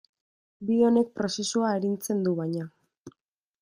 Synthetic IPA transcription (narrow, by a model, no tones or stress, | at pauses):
bio̞ne̞k̚pɾo̞se̞suaeɾint͡se̞nd̪uβajɲa